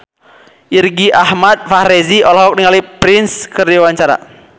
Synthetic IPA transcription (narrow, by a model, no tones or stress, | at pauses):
ʔirɡiʔahmat̪̚faɾɛziɔlɔɦɔk̚niŋalipɾɪnskərdiwaɲt͡ʃaɾa̰